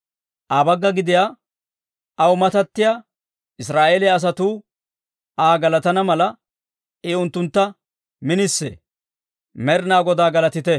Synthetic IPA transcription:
ʔaːbɐɡːɐɡɪd̪ɪjaː | wʊmɐt̪ɐt̪ːɪjaː | ʔɪsɾaːʔeːlɪjɐs̬ɐt̪uː | aːɡɐlɐt̪ɐnɐmɐlɐ | ɛʊnt̪ːʊnt̪ːɐ | mɪnɪsːɛ̰ | mɛɾɪnaːɡɔd̪aːɡɐlɐt̪ɪt̪ɛ

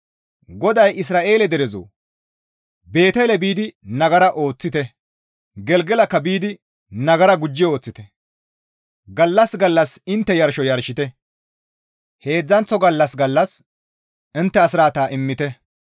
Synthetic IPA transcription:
ɡɔd̪ɐjʔɪs̬ɾaːʔe̞ːlɛd̪ɛɾɛzo̰ | be̞ːt̪ɛlɛbiːd̪ɪnɐɡɐɾɐʔo̞ːt͡sːɪt̪ɛ | ɡɛlɡɛlɐkːɐbiːd̪ɪ | nɐɡɐɾɐɡʊd͡ʒːɪo̞ːt͡sːɪt̪ɛ | ɡɐlːɐsɡɐlːɐsɪnt̪ːɛjɐɾʃɔjɐɾʃɪt̪ɛ | he̞ːd͡zːɐnt͡sːɔɡɐlːɐsɡɐlːɐs | ɪnt̪ːɛɐsɪɾaːt̪aːʔɪmːɪt̪ɛ

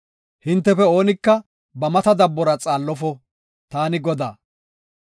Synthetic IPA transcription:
hɪnt̪ːɛfɛo̞ːnɪkːɐ | bɐmɐt̪ɐd̪ɐbːɔɾɐt͡sʼaːlːɔfɔ | t̪aːnɪɡɔd̪aː

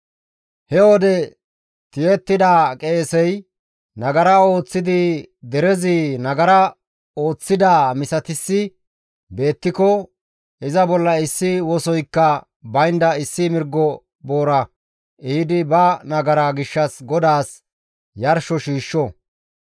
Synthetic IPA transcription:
hɛwɔd̪ɛ | t̪ɪjɛt̪ːɪd̪aːkʼe̞ːsɛj | nɐɡɐɾɐo̞ːt͡sːɪd̪ɪd̪ɛɾɛzɪnɐɡɐɾɐ | o̞ːt͡sːɪd̪aːmɪsɐt̪ɪsːɪ | be̞ːt̪ːɪkɔ | ɪzɐbɔlːɐɪsːɪwɔsɔjkːɐ | bɐjnd̪ɐɪsːɪmɪɾɡːɔ | bo̞ːɾɐ | ɪɪd̪ɪbɐnɐɡɐɾaɡɪʃːɐsɡɔd̪aːs | jɐɾʃɔʃiːʃːɔ

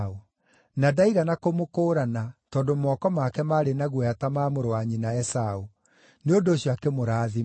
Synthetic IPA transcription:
o | nadaiɣanakomokoːɾanatɔːdomɔːkɔmakɛmaɾenaɣwɛatamaːmoɾowaɲinaɛsao | neondoːɕjakemoɾaði

